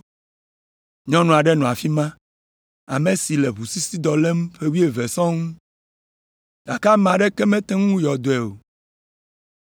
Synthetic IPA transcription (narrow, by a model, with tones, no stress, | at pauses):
ɲɔ̃˦nũ˨a˨ɖɛ˦nɔ̃˨a˨fi˦mã˦ | a̰˨me˨si˨lɛ˨βu˨si˦si˦d̪ɔ˨lɛ˦m˦ɸe˦wi˦e˨ve˨sɔ̃˦ŋũ˦ | d̥a˨ka˦mã˨ɖɛ˦kɛ˦mɛ̃˦t̪ɛ˦ŋũ˦jɔ˨d̪o˨ɛ˨o˨